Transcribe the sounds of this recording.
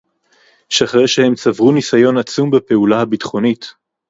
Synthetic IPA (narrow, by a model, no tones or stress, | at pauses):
ʃaχʁeʃehe̞mt͡savʁunisajo̞nat͡sumbepe̞ulahabitχo̞nit